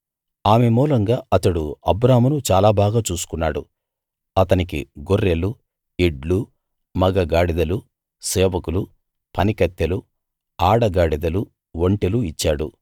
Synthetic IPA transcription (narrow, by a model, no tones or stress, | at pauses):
aːmemuːlɐŋɡaːɐt̪ɐɽuɐbɾaːmunut͡ʃaːlaːbʱaːɡaːt͡ʃuːsu̥kunːaːɽṵ | ɐt̪ɐnikḭɡoɾːelu | eɖlu | mɐɡɐɡaːɽid̪ɐlu | sɛːʋɐkulu | pɐnikɐt̪ːɐlu | aːɽɐɡaːɽid̪ɐlu | ʋoɳʈeluit͡ʃːaːɽṵ